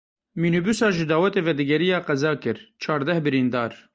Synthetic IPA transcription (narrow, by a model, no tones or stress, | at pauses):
miːnubusɑːʒɨd̪ɑːwɛt̪eːvɛd̪ɨɡɛɾijɑːqɛzɑːkɨɾt͡ʃʰɑːɾd̪ɛhbɨɾiːnd̪ɑːɾ